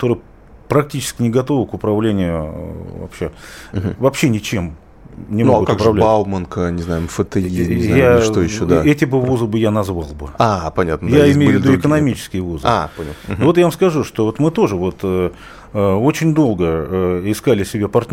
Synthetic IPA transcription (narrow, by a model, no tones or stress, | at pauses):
t̪o̞ɾɨjə | pɾɐk̚tʲit͡ɕɪ̥skʲɪnʲɪɡɐt̪o̞vəkʊpɾɐvlʲenʲɪjʊvɐ̰pɕːevɐpɕːenʲɪt͡ɕe̞m | nʲɪnmoɡʊtkaʊkʊpɾɐvlʲalˠmənkənʲɪznajʊmfət̪ɨjʲijaʂt̪ojɪɕːod̪aɛtʲɪbɨvuzɨbɨjanɐzvɑlˠbɨapɐnʲat̪nədj̪aɪɪmmejvʲːɪd̪uɪkənɐmʲit͡ɕɪ̥skʲɪjvuza̰pɐnʲa̰t̪vot̪javɐmskɐʐuʂt̪ovot̪mɨt̪o̞ʐɨvo̞t̪ə | əo̞t͡ɕɪnʲd̪o̞lˠɡəəɪskalʲɪsʲɪbʲapɐrtʲ